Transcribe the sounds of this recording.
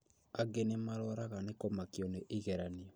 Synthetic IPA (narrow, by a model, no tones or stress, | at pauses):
aɡenemaɾɔɾaɣanekomakjɔneʔiɣɛɾaniɔ